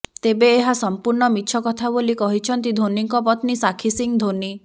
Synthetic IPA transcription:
t̪ebeːɦasɔmpuɾɳɔmitːʃʰɔkɔt̪ʰabolikɔɦit͡ʃʰɔnt̪id̪ʱoniŋkɔpɔt̪nisakʰisiŋd̪ʱoni

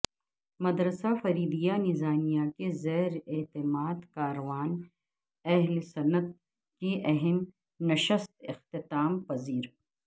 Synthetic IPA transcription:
mɐd̪ɾəsafɐɾiːd̪ijanɪzaːmijakezɛːɾeːt̪ɪmaːd̪kaːɾɐʋaːn | ɛɦlsɐnət̪̚ | kiʔɐɦɛm | nɐʃəst̪ɪxt̪ɪt̪aːmpɐziːɾ

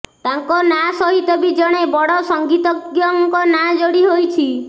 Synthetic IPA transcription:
t̪aŋkɔnasɔɦit̪ɔbid͡ʒɔɽ̃ebɔɽɔsɔŋɡit̪ɔɡjɔŋkɔnad͡ʒoɽiɦojt͡ʃʰi

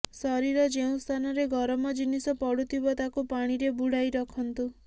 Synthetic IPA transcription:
sɔɾiɾɔd͡ʒeũst̪ʰanɔɾeɡʱɔɾɔmɔd͡ʒinisɔpɔɽut̪ibɔt̪akupaɽ̃iɾebuɽ̤ajɾɔkʰɔnt̪u

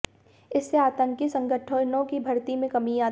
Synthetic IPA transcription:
ɪsːeaːt̪ə̃ŋkisɐ̃ŋɡəʈʰõnõkibʱɐɾt̪imẽkɐmiaː

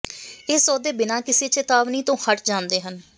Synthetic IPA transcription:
eːsɔːd̪eːbɪnãːkɪseːt͡ʃet̪aːʋniːt̪õːhəʈʰd͡ʒãːnd̪eːɦən

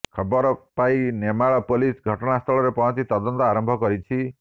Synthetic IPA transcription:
kʰɔbɔɾɔpainemaɭɔpolisɡʱɔʈɔɽ̃ast̪ʰɔɭɔɾepɔɦɔ̃nt͡ʃit̪ɔd̪ɔnt̪ɔaɾɔmbʱɔkɔɾit͡ʃʰi

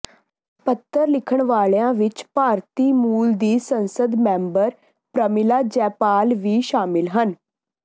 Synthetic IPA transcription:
pət̪ʰːəɾlɪkʰəɳʋaːɭjãːʋɪt͡ʃpaːɾt̪iːmuːld̪iːsənsəd̪mɛ̃ːmbəɾ | pɾəmɪlaːd͡ʒɛːpaːlʋiːʃaːmɪlɦən

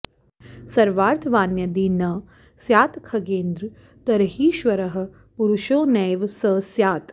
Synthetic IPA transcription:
sɐɾʋaːɾt̪ʰʋaːnjɐd̪iːnɐ | sjaːt̪kʰɐɡeːnd̪ɾ | t̪ɐɾɦiːʃʋɐɾɐɦɐ̆ | puɾuʃoːnɛːʋsɐsjaːt̪

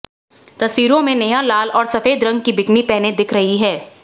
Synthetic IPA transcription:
t̪ɐswiːɾõmẽnɐjalaːlɔːɾsɐfeːd̪ɾɐ̃ŋɡ̚kibɪknipɛɦned̪ɪkʰɾɐɦiɦɛː

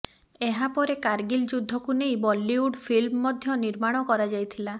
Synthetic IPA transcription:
eɦapɔɾekaɾɡild͡ʒud̪ʱːɔkunejbɔlːiuɖpʰilmɔːɔd̪ʱjɔniɾmaɽ̃ɔkɔɾad͡ʒajt̪ʰila

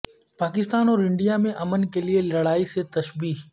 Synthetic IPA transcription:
paːk̬ɪst̪aːnɔːɾɪ̃ɳɖijamẽʔɐmənkelielɐɽaːiset̪ɐʃbiːk

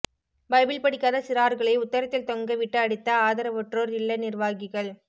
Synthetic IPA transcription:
bɐɪbɪlpɐɽɪkːaːðɐsɪɾaːɾɣɐɭɐɪʊt̪ːɐɾɐt̪ːɪlt̪ɔŋɡɐʋɪʈːɐːɽɪt̪ːɐaːðɐɾɐʋɔʈroːɾɪɭːɐnɪrʋaːɣɪɣɐɭ

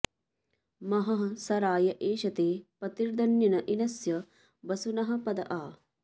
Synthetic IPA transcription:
mɐɦɐɦɐsɐɾaːjɐʔeːʃɐt̪eːpɐt̪iɾd̪ɐnjɐnɐʔinɐsjɐ | bɐsunɐɦɐ̆pɐd̪ɐ̰ʔaː

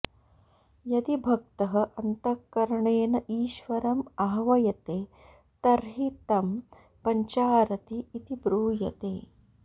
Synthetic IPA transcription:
jɐd̪ibʱɐk̚t̪ɐɦɐ̆ʔɐnt̪ɐkːɐɾɐɳeːnɐʔiːʃʋɐɾɐmɐɦɐʋɐjɐt̪eː | t̪ɐɾɦit̪ɐm | pɐɲt͡ʃaːɾɐt̪iːt̪ibɾuːjɐ̰t̪ḛː

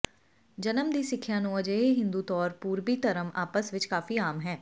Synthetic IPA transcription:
d͡ʒənəmd̪iːsɪkʰːjãːnũːəd͡ʒəeːɦɪ̃nd̪uːt̪ɔːɾpuːɾbiːt̪əɾəmaːpəsʋɪt͡ʃkaːfiːaːmɦɛː

